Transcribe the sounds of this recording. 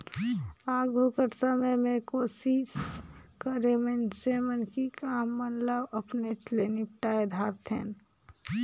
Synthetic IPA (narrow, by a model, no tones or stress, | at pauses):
aːɡʱukəɾsəməjmẽkoːsiskəɾemensemənkikamːənləbəpnet͡ʃlenipʈaed̪ʱaɾt̪ʰḛːn